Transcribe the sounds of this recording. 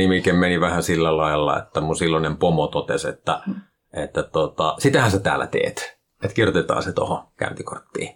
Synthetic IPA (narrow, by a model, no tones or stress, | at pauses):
imikemmeniʋæhæsilːælɑelːɑ̰ḛt̪ːæmunsilːonempomot̪ot̪esḛt̪ːæ | et̪ːæt̪ot̪ɑsit̪æhæset̪æ̰ːlːæ̰t̪ḛːt̪ | et̪kirjot̪et̪ɑ̰ːset̪o̰hokæ̰nt̪ikort̪ːḭː